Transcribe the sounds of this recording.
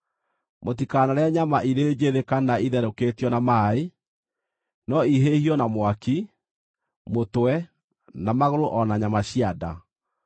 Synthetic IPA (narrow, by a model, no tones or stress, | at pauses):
motikanaɾeaɲamaʔiɾeːd͡ʒeðekanaiðɛɾokeːtjɔnamae | nɔiɦehiɔnamwaki | motwɛ | namaɣoɾoʔɔnaɲamaɕiada